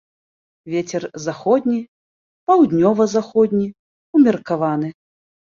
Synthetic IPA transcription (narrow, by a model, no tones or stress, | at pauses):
vʲet͡sʲɛrzaxɔd̪ʲnʲi | pawd̪ʲnʲɔvɐzaxɔd̪ʲnʲi | umʲɛrkavanɨ